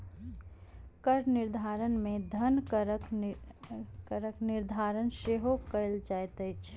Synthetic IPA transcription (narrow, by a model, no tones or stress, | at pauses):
kəɾnɪɾd̪ʱaːɾənmẽd̪ʱənkɾk | kəɾəknɪɾd̪ʱaːɾənʃeːɦokəɪld͡ʒajt̪ət͡ʃʰ